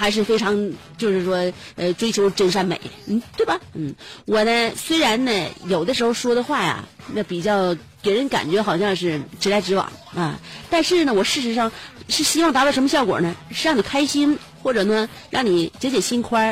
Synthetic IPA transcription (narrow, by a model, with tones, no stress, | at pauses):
xa˧˥ɪʂ̬ɻ̩˥˩fe˥ɪʈ͡ʂʰɑ˧˥ŋt͡ɕjo˥˧ʊʂɻ̩˥˩ʂwɔ˥ə˧ʈ͡ʂwe˥ɪt͡ɕʰjo˧˥ʊʈ͡ʂə˥nʂ̬a˥˩nmḛ˨˩˦ɪn̩˥˩t̪we˥˩ɪbɐ˨˩n̩˥˩wɔ˨˩nə˦swe˥ɪɻa˧˥nnə˧jo˨˩ʊd̪ə˦ʂɻ̩˧˥xo˥˧ʊʂwɔ˥d̪ə˧xwa˥˩ja̰˨˩na˥˩pi˨˩t͡ɕjɑ˥˩ʊ | pe˨˩ɪɻə˧˥nka̰˨˩nt͡ɕɥɛ˧˥xɑ˨˩ʊɕjɑ˥˧ŋʂɻ̩˥˩ʈ͡ʂɻ̩˧˥la˧˥ɪʈ͡ʂɻ̩˧˥wɑ̰˨˩˦ŋɐ̰˧t̪a˥˧nʂɻ̩˥˩nə˩wɔ˨˩ʂɻ̩˥˩ʂ̬ɻ̩˧˥ʂɑ˥˩ŋʂɻ̩˥˩ɕi˥wa˥˩ŋt̪a˧˥ɑ˥˩ʂmə˧ɕjɑ˥˩ʊkwɔ̰˨˩nə˦ʂ̩˥˧ɻɑ˥˩ŋni˨˩kʰa˥ɪɕi˥n | xwɔ˥˩ʈ͡ʂɤ˨˩nə˧˩ | ɻɑ˥˩ŋni˨˩˦t͡ɕjt͡ɕjɛ˨˩ɕi˥nkʰwa˥